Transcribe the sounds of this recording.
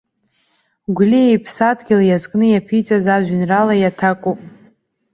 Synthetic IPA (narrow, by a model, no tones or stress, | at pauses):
ɡʷliejpʰsadʰɡʲɪlajazkʼnɨjapʰijt͡sʼazaʒʷᶣɪnralajatʰakʷʼupʼ